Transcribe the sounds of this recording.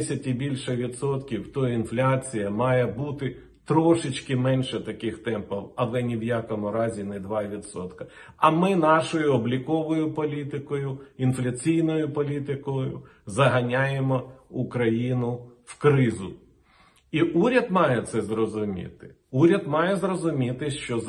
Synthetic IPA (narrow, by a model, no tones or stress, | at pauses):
sʲɐtʲibʲilʲʃɛʋʲid̪sɔt̪kʲiwt̪ɔjinflʲat͡sʲijɐmɑjɛbut̪ɪ | t̪ɾɔʃɪt͡ʃʲkɪmɛnʲʃɛt̪ɐkɪxt̪ɛmpɐwɐlˠɛnʲiwjakɔmʊɾɑzʲinɛd̪ʋɑʋʲid̪sɔt̪kɐ | ɐmɪnɑʃɔjʊɔblʲikɔʋɔjʊpɔlʲit̪ɪkɔjʊinflʲɐt͡sʲijnɔjʊpɔlʲit̪ɪkɔjʊ | zɐɦɐnʲajemɔukɾɐjinʊwkɾɪzʊ̰ | iʔuɾʲɐd̪mɑjɛt̪sɛzɾɔzʊmʲḭt̪ɪ̥ | uɾʲɐd̪mɑjɛzrɔzʊmʲit̪ɪʃt͡ʃɔ